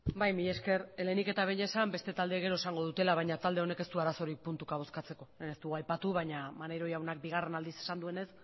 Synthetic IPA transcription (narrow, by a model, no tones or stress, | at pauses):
bajmiʎe̞ske̞ɾelenike̞t̪aβeɲesambe̞st̪e̞t̪ald̪eɣ̞e̞ɾo̞esaŋɡo̞ðut̪e̞laβ̞ajɲat̪ald̪e̞o̞ne̞ke̞st̪uaɾaso̞ɾik̚punt̪ukaβ̞skat͡se̞ko̞enest̪uɣuajpat̪uβ̞aɲamanejɾo̞jawnak̚biɣ̞are̞nald̪ise̞sand̪ue̞ne̞s